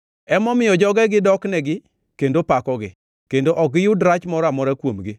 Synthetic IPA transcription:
ɛmɔmɪjɔd͡ʒɔɡɛɡɪdɔknɛɡɪ | kendopakɔɡɪ | kendoʔɔɡɪjʊdɾat͡ʃmɔɾɔamɔɾakwomɡɪ

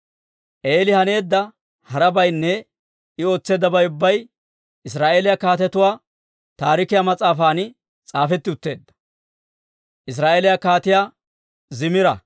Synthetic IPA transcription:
ʔe̞ːlɪhɐne̞ːd̪ːɐ | hɐɾɐbɐjnːɛ | ɪo̞ːt͡sːe̞ːd̪ɐbɐjʊbːɐj | ɪs̬ɾaːʔeːlɪjakaːt̪ɛt̪ʊwaː | t̪aːɾɪkɪjamɐt͡sʼaːfaːn | t͡sʼaːfɛt̪ːɪʊt̪ːe̞ːd̪ːɐ̥ | ʔɪs̬ɾaːʔelɪjakaːt̪ɪjaː | zɪmɪɾɐ̰

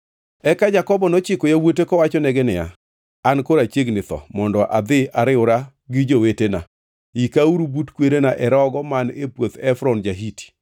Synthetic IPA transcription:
ɛkad͡ʒakɔbɔnɔt͡ʃɪkɔjawotekɔwat͡ʃɔnɛɡɛnɪja̰ | ankoɾat͡ʃeɡnɪt̪ɔ̰mɔndɔʔad̪ɪaɾɪʊɾa | ɡɪd͡ʒowetena̰ | ikauɾubutkweɾenaʔɛɾɔɡɔmanepwot̪ɛfɾɔnd͡ʒaɦiti̥

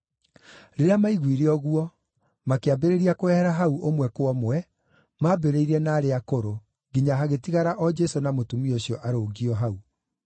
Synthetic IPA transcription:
ɾeɾeamaiɣwiɾeɔɣwɔ | makeabeɾeɾiakoɛhɛɾaɦauʔomwɛkoɔmoɛ | maːbeɾeiɾɛnaːɾeakoɾo | ɡiɲaɦaɣetiɣaɾaʔɔd͡ʒɛsonamotumioɕjɔʔaɾoːɡiɔɦau

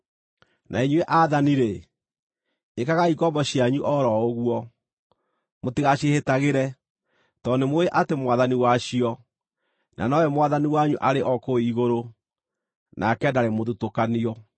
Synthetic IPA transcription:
naeɲueʔaːðaniɾe | ekaɣaikɔmbɔɕiaɲuʔɔɾɔoɣwɔ | motiɣaɕehetaɣeɾɛ | tɔnemoeʔatemwaðaniwaɕiɔ | nʔa̰nɔɛmwaðaniwaɲuʔaɾeʔɔkoiɣoɾo | nakɛdaɾemoðutokaniɔ

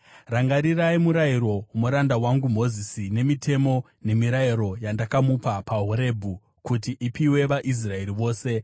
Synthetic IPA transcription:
raŋɡaɾiraimuɾaiɾo̞muɾandawaŋɡum̤o̞zisine̞mitʰe̞mo̞ | ne̞miɾaiɾo̞jandakamupapaɦuɾe̞bʱu | kutiʔipiwe̞ʋaʔis̬rae̞ɾiʋo̞ːse̞

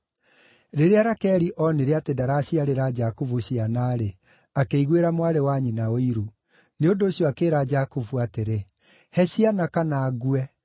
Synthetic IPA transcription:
ɾeɾeaɾakɛɾiʔɔneɾeatedaɾaɕiaɾeɾad͡ʒakovuɕianaːɾe | akeiɣweɾamwaɾewaɲinaoiɾu | neondoːɕjɔakeːɾad͡ʒakovuateɾe | hɛɕianakanaːɣuɛ

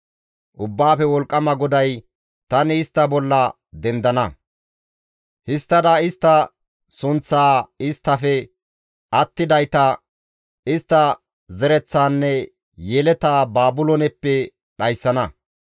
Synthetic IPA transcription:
ʔʊbːaːfɛwɔlkʼːɐmɐɡɔd̪ɐj | t̪ɐnɪɪst̪ːɐbɔlːɐ | d̪ɛnd̪ɐnɐ | hɪst̪ːɐd̪ɐɪst̪ːɐ | sʊnt͡sːaːɪst̪ːɐfɛ | ʔɐt̪ːɪd̪ɐjt̪ɐ | ɪst̪ːɐ | zɛɾɛt͡sːaːnːɛ | jɛlɛt̪aːbaːbʊlɔnɛpːɛ | ɗɐjsːɐnɐ

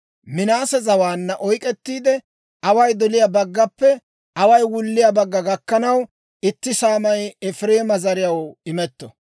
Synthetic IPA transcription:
mɪnaːsɛzɐwaːnːɐʔɔjkʼɛt̪ːiːd̪ɛ | ʔɐwɐjd̪ɔlɪjabɐɡːɐpːɛ | ʔɐwɐjwʊlːɪjɐbɐɡːɐɡɐkːɐnɐw | ɪt̪ːɪsaːmɐjɛfɾeːmɐzɐɾɪjɐwɪmɛt̪ːɔ

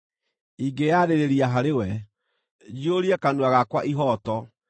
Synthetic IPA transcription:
iɡeaɾeɾeɾiaɦaɾewɛ | d͡ʒioɾiɛkanuaɣakwaʔiɦɔːtɔ

